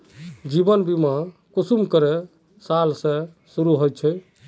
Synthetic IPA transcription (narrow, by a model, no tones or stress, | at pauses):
d͡ʒibənbimakusumkəɾe | salsẽ | suɾuɦojt̪̚t͡ʃʰɛ